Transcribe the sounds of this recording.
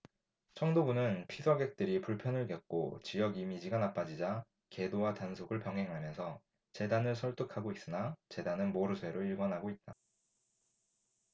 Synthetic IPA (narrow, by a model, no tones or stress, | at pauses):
t͡ɕʰʌŋdobunɯnpʰisʰʌɡe̞k̚t͈ɯɾipuɭpʰjʌnɯɭɡjʌk̚k͈o̰t͡ɕijʌɡimid͡ʑiɡanap͈ad͡ʑid͡ʑa | ke̞dowatansʰoɡɯɭpjʌŋɦe̞ŋɦamjʌnsʰʌ | t͡ɕe̞danɯɭsʰʌɭt͈ukʰaɡois͈ɯnat͡ɕe̞danɯnmoɾɯsʰwe̞ɾoiɭɡwanɦaɡoit̚t͈a